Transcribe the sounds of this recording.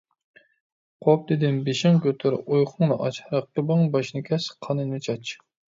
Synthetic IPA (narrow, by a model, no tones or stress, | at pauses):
qʰop̚d̪ed̪ɪnbeʃɪŋkʲʰøt̪ʰɨɾojχʰʊŋnɨʔɑt͡ʃhɾɑqːəbɨŋbɑʃnɨkʲʰɛsqʰɑnɨnɨt͡ʃʰɑt͡ʃ